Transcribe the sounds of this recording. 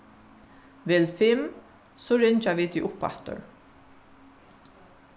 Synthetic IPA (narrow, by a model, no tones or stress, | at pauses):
ʋɪːlfɪm | sɔɹɪɲt͡ʃaʋiːt̪iʔʊpa̰ht̪ʊ̰ɹ